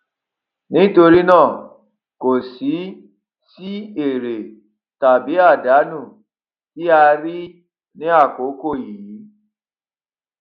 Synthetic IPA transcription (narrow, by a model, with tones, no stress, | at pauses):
nĩ˦to˧ɾi˦nãː˦˨ | ko˨si˨˦ | ti˦e˨ɾe˨ | ta˨bi˨˦a˦˨da˨˦nũ˦˨ | i˦a˧ɾi˦ | nĩ˦a˦˨ko˨˦ko˦˨ji˨ji˨˦